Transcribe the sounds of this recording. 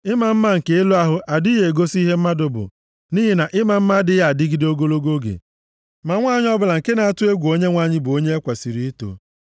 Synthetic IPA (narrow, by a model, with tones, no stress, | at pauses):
ɪ˦ma˨m̩˦ma˦ŋ̩˨ke˨˦e˦lo˦a˦ɦʊ˦ʔa˨di˦je˨ɡo˦si˦ɦe˦m̩˦ma˦dʊ˨bʊ̰˨ | niː˦ɦi˨na˨ʔɪ˦ma˨m̩˦ma˦dɪ˦ja˦˨a˨dɪ˦ɡi˦do˦ɡo˦lo˦ɡo˦ɡḛ˨ | ma˨ŋʷa˦˨ɲ˦ɔ˦bʊ˨la˨ŋ̩˨ke˦na˨a˦tʊ˦e˦ɡʷu˨o˦ɲe˦ŋʷa˦˨ɲɪ˦bʊ˨o˦ɲe˦e˦kʷa˨si˨ɾi˦i˦to̰˨